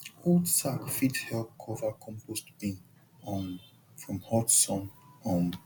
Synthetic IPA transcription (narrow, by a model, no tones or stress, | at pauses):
odsakfithɛlp̚kʰɔvə˞kʰɔ̃mpʰostb̥ĩn | ɔ̃n | fɹɔ̃mhɔtsɔ̃nɔ̃n